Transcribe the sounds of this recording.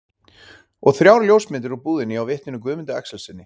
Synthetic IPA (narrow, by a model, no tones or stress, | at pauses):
ɔɣθɾjawɾljoːwsmɪnt̪̬ɪɾɔwpuːðɪnːɪawvɪht̪nɪnʏkvʏːmɪnt̪aɛ̰ksɛlsɪnːɪ